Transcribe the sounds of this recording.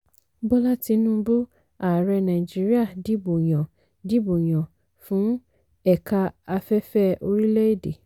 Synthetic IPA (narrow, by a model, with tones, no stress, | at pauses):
bɔ˦la˦ti˧nũː˦bo˦ | a˨ɾɛ˧nã˨i˨d͡ʒi˦ɾi˦a˦˨di˨˦bo˨j̃ɔ̃˨ | di˦bo˨j̃ɔ̃˨ | fũ˨˦ | ɛ˦˨ka˧a˧fɛ˦fɛ˦o˧ɾi˦lɛ˦e˦˨de˨